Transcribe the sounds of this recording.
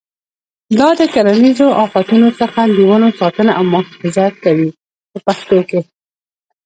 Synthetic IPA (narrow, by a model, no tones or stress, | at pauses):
d̪ɑd̪əkaɾanizoʔɑfat̪unosəxaləwənosɑt̪ənaʔawmʊhfɪzjat̪̚kawi | pəpaxt̪oke